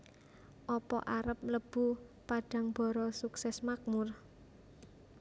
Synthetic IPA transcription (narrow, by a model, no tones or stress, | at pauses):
ʔɔpɔ̰ʔaɾəp̚ləb̥ṳpaɖ̥a̤ŋb̥ɔ̤ɾɔsuksɛsmak̚mʊr